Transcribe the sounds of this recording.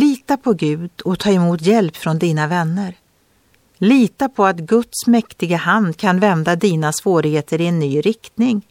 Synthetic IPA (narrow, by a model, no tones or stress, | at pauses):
liːt̪apʰɔɡʉ̟ːd̪ɔt̪ʰɑːɪmuːt̪jɛlpfɾɔnd̪iːnavɛnːəɾ | liːt̪apʰɔat̪ɡɵt̪smɛkt̪ɪɡahand̪kʰanvɛnd̪ad̪iːnasvoːɾɪheːt̪əɾɪɛnːyːɾɪkt̪nɪŋ